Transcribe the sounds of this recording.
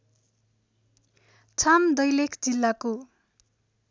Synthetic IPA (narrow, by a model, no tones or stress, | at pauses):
t͡sʰamd̪ʌjlekʰd͡zilːako